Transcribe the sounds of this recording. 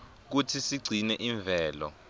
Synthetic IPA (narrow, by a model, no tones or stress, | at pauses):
k̬utʰisiɡ͡ǀʱinɛʔiɱvʱɛːlɔ